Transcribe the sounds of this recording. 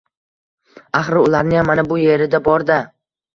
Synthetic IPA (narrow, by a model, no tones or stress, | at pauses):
aχɾɪʊlˠaɾnɪjamːanabʊje̞ɾɪd̪abɒɾd̪a